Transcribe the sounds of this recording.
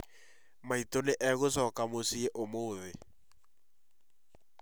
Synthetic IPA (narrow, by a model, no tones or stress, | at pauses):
mait̪oleʔɛɣʊs̬ɔkamosieʔomoːðɪ